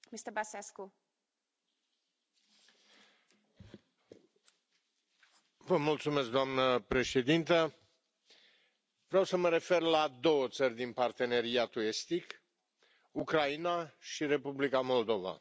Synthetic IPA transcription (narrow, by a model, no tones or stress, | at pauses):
mist̪əbasesku | vəmult̪sume̞sk̚d̪oamnəpɾe̞ʃe̞d̪int̪ə | vɾeawsəməɾe̞fe̞rlad̪o̞wət̪sərʲd̪inpart̪e̞ne̞ɾiat̪ue̞st̪ik | ukɾainaʃiɾe̞publikamo̞ld̪o̞va̰